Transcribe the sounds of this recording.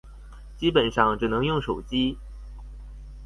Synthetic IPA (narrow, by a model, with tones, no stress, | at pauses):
t͡ɕi˥pə˨˩nʂɑ˥˩ŋʈ͡ʂɻ̩˨˩nɤ˧˥ŋjʊ˥˩ŋʂo˨˩ʊt͡ɕi˥